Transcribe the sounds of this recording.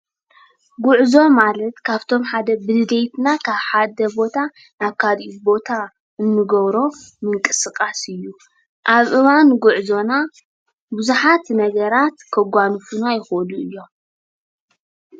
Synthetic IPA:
ɡuʕzo̞malɐt̪kʰaβt̪ʰo̞mħad̪ɐbɨlɨd̪ejt̪ʰnakʰaβħad̪ɐbo̞t̪ʰa | naβkʰad̪ʔibo̞t̪ʰa | ʔɨnːɨɡɐβɾo̞mɨŋkʼɨsɨkʼasɨjːu | ʔaβʔɨβanɡʊʕzo̞na | buzuħat̪nɐɡɐɾat̪kʰɐɡʷanɨfunajɪxoluɨjːo̞m

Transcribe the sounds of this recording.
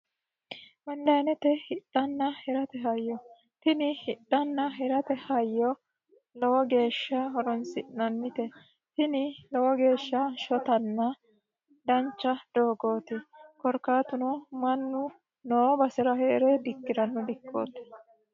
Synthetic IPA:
wɐlːɐjnɛt̪ɛhɪɗːɐnːɐhɛɾɐt̪ɛɦɐjːɔ | t̪ɪnɪhɪɗːɐnːɐɦɛɾɐt̪ɛhɐjːɔ | lɔwɔɡe̞ːʃːɐɦɔɾɔnsɪnɐnːɪt̪ɛ | t̪ɪnɪlɔwɔɡe̞ːʃːɐʃɔt̪ɐnːɐ | d̪ɐnt͡ʃːɐd̪̥oːɡo̞ːt̪ɪkɔɾkːaːt̪ʊnɔmɐnːʊ | noːbɐsɛɾɐheːɾɛd̪ɪkːɪɾɐnːʊd̪ɪkːo̰ːt̪ːɛ̥

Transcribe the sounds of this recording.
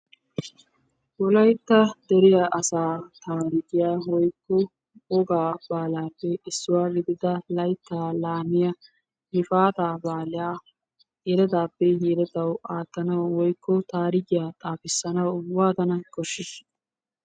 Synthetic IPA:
wɔlɐjt̪ːɐd̪ɛɾɪjɐʔɐsaːt̪aːɾɪɡɪjaːwɔjkːɔ | ɔɡaːb̥aːlaːpːɛɪsːʊwaːɡɪd̪ɪd̪ɐlɐjt̪ːaːlaːmɪjɐ | hɪfaːt̪aːbaːlɪjaː | hiːɾɛt̪aːpːɛɦiːɾɐt̪ɐwaːt̪ːɐnɐwwɔjkːɔt̪aːɾɪɡɪjaːt̪ʼaːfɪsːɐnɐwwaːt̪ɐnɐkɔʃɪs

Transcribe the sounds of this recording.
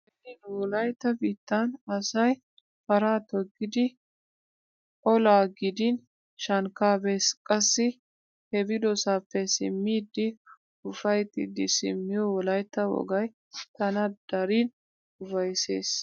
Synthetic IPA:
ɛdɪdwɔlɐjt̪ːɐbiːt̪ːanɐsɐj | fɐɾaːt̪ɔɡːɪd̪ɪ | ɔlaːɡɪd̪ɪn | ʃɐŋkaːbeːskʼɐsːɪ | hɛbɪd̪ɔsaːpːɛsɪ̰mːiːd̪ɪ | ʊfɐjt̪ːɪd̪ɪsɪ̰mːɪjɔwɔlɐjt̪ːɐwɔ̰ɡɐj | t̪ɐnɐd̪̥ɐɾiːn | ʊfɐjsḛːs

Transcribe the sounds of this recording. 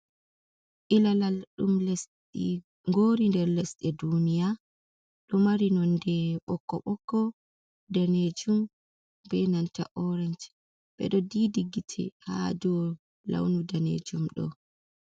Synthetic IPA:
ʔilalalɗumlɛs | ḭ | ŋɡoːɾindɛɾlɛsɗɛdunija | ɗɔmaɾinɔndɛɓɔkːɔ̰ɓɔkːɔ | daned͡ʒum | bɛnantaʔɔɾand͡ʒ | ɓɛ̰ɗɔdiːdiɡːitʰɛ̰ha̰d͡ʒɔ | la̰wnudanḛd͡ʒumɗɔ̰

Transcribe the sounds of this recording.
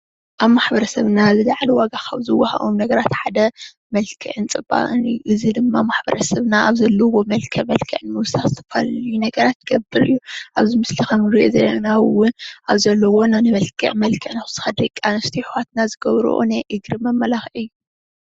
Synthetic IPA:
ʔaβmaħbɐɾɐsɐβnazɨlaʕliwaɡakʰa̰βzɨwaha̰ʔomnɐɡɐɾat̪ħad̪ɐ | mɐlkʰɨ̰ʕɨnt͡sʼɨba̰ʔʼɨnɨjːuʔɨzid̪ɨmːamaħbɐ̰ɾɐsɐβnaʔaβzɐlːɐwomɐlkʰɨʕmɐlkʰɨʕɨnmɨwʊsaxzɨt̪ʰɐ̥falɐlɨjunɐɡɐɾat̪ːɡ̥ɐbːɨɾɨjːuʔaβzimɨslixɐmɾiʔo̰zeɾanawwʊnʔaβzɐlːɐwo̞nanɨβɐlkʰɨ̰ʕmɐlkʰɨʕnaxz̥ʰɨ̥xad̪ɐkʼanɐst̪ʰiħwat̪nazɨɡɐβɾṵʔṵnajʔɨɡɾɨmɐmːɐlaxʔɨjːu

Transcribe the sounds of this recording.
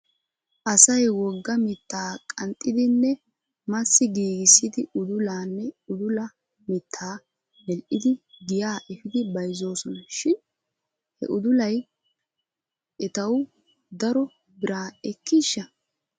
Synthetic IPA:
ʔɐsɐjwɔɡːɐmɪt̪ʰːaːkʼɐnt̪ʼːɪd̪ɪnːɛ | mɐsːɪɡiːɡɪsːɪd̪ɪʊd̪ʊlaːnːɛʊd̪ʊlɐ | mɪt̪ʰːaː | mɛlʔɪd̪ɪɡɪjaːʔɛfɪd̪ɪbɐjzo̞ːsɔnʃɪn | hɛ̰ʔʊd̪ʊlɐj | ʔɛt̪ɐw | d̪ɐɾɔ | bɪɾaːɛkːiʃːɐ

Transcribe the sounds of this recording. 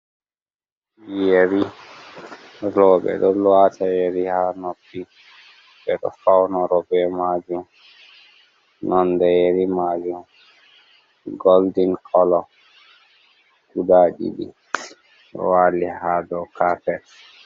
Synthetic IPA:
jeɾi | ɾɔbɛ̰ɗɔlwatʰajeɾihanopːi | ɓɛɗɔ̰fawnɔɾɔbɛmad͡ʒum | nɔndɛjeɾimad͡ʒum | ɡoldinkʰɔlɔ | kudaɗḭɗḭ | ɔ̰waːlihadɔkafɛt

